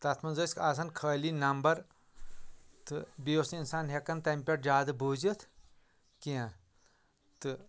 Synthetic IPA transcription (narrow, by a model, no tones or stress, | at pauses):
t̪ɐt̪ʰmɐnzɐːskaːs̬ɐnkʰəːlinɐmbɐɾ | t̪ɨbiosiinsaːnɦekɐnt̪ɐmpʲeʈd͡ʒaːd̪ɨbʱuːd͡ʒit̪ʰ | kiã | t̪ɨ